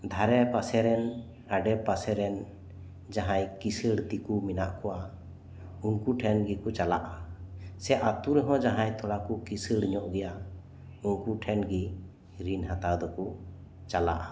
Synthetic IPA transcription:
d̪ʱaɾɛpasɛɾɛn | aɖɛpasɛɾɛn | d͡ʒaɦãjkisəɽd̪ikuminaʔkɔwa | unkuʈʰɛnɡikɔt͡ʃala̰ʔasɛʔat̪uɾɛɦɔ̃d͡ʒaɦãɲt̪ʰɔɽakɔkisəɽɲɔʔɡɛja | unkuʈʰɛnɡi | ɾinɦat̪ad̪ɔku | t͡ʃala̰ʔa

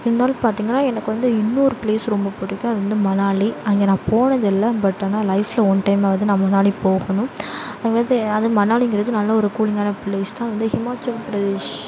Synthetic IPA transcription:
ɪdaːlpaːɾt̪iːŋɡɐnːaːɛnɐkːɯʋɐnd̪ɯɪnːɯɔɾɯpɪɭeːsɾɔmbɐpɔɽːɪkːɯ̃ɐðɯʋɐnd̪ɯmɐnaːɭiɐŋɡenãːpoːɳɐðɪlːɐbɐʈːnãːlɐɪflɐɔnʈɐɪmaʋɐnd̪ɯnãːmɐnaːɭipoːɣɐnʊ̃ɐŋɡeɐd̪ɯɐðɯmɐnaːɭiŋɡɪɾɐðɯnɐlːɐɔɾɯkuːɭɪŋɡaːnɐpleːst̪ãɐðɯʋɐnd̪ɯhɪmaːt͡ʃɐlpɾɐðɪʃ

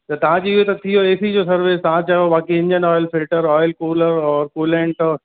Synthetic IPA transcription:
t̪ɐt̪ɐʋ̤ãd͡ʑoːɪɦot̪ɐt̪ʰijoeːsid͡ʑoːsɐɾʋeːst̪aãt͡ɕajobaːkiɪ̃nd͡ʑənɔːjlfɪlʈəɾɔːɪlkoːləɾɔːɾkuːlẽɳʈɔːɾ

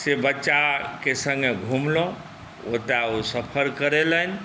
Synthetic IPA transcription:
sebətːʃakesəŋɡeɡʱumlɔ̃ | ot̪aosəpʰəɾkəɾelən̆

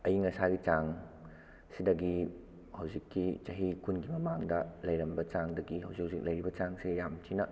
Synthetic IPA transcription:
ɐjiŋɐsaɡit͡ʃaŋ | sidɐɡi | hɐwzikːit͡ʃɐɦikunɡimɐmaŋdɐlɐjɾɐmbɐt͡ʃaŋdɐɡihɐwzikhɐwzik̚lɐjɾibɐt͡ʃaŋsiɡjamtʰinɐ

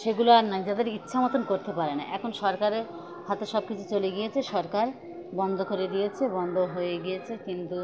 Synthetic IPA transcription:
ʃeɡuloaɾnajd͡ʑad̪eɾitːɕʰamot̪onkoɾt̪epaɾenaʔɛkʰonʃɔɾkaɾeɾ | hat̪eʃɔb̚kit͡ɕʰut͡ɕoleɡijet͡ɕʰeʃɔɾkaɾ | bɔnd̪ʱokoɾed̪ijet͡ɕʰebɔnd̪ʱoɦojeɡijet͡ɕʰekint̪u

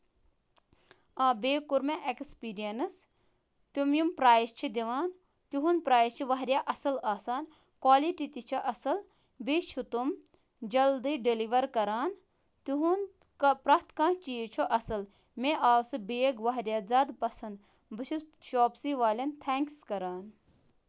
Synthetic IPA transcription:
aːbeːkuɾmẽʔekspiːɾijɐnɨs | t̪umjumpɾaːjst͡ʃʰid̪iʋaːn | t̪uɦunpɾaːjst͡ʃʰiʋɐɦɾʲjaːʔɐsɨlaːsaːn | kwaːliʈit̪it͡ʃʰɐʔɐsɨl | beːt͡ʃʰut̪um | d͡ʒɐld̪iɖeliʋɐɾkɐɾaːn | t̪uɦun | pɾɐt̪kãːt͡ʃijt͡ʃʰoʔɐsɨl | meʔaːwsɨbeːɡʋɐɦɾjaːzaːd̪pɐsɐnd̪ | bɨt͡ʃʰuʃoːpsiʋaːlʲɐnt̪ʰeːŋkskɐɾaːn

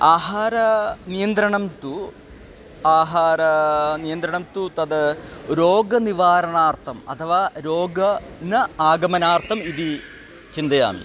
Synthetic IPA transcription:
aːɦaːɾɐnijɐnd̪ɾɐɳɐmt̪u | aːɦaːɾɐnijɐnd̪ɾɐɳɐmt̪ut̪ɐðɨɾoːɡɐniʋaːɾɐɳaːrt̪ʰɐmɐ̰t̪ʰɐʋaːɾoːɡɐnɐaːɡɐmɐnaːrt̪ʰɐmiði | t͡ɕind̪ɐja̰ːmḭ

